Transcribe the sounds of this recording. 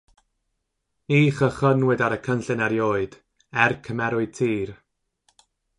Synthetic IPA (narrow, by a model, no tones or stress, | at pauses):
iːχəχənwɪdaɾəkʰənɬɨnaɾjoːɨd̥ | ɛrkʰəmɛɾʊɨd̚tʰiːr